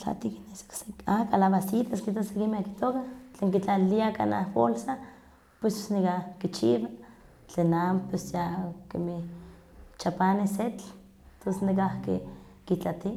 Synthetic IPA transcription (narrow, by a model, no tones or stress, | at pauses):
t͡ɬa̰t̪ikineso̥kseakalaβasit̪askit̪asekimeaki̥t̪okat͡ɬeːŋkit͡ɬaliaka̰na̰hbolsa | pwesnikakit͡ʃiβa | t͡ɬenampwesjakemih | t͡ʃapaneset͡ɬ | t̪osenik̬ahkḛ | kit͡ɬat̪i